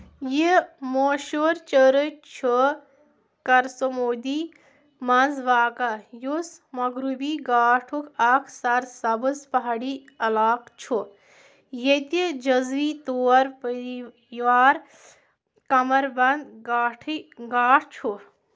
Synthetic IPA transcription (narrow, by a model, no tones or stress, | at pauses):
jimoːʃoɾt͡ʃəɾət͡ʃʰu | kɐɾsomoːd̪i | mɐnzʋaːkɐjusmɐɡɾubiɡaːʈʰukʰɐkʰsɐɾsɐbɨspɐɦaːɽi | ɐlaːkt͡ʃʰu | jet̪id͡ʒɐzʋit̪oːɾpəɾi | ʋaːɾ | kɐmɐɾbɐnd̪ɡaʈʰɡaːʈʰt͡ʃʰu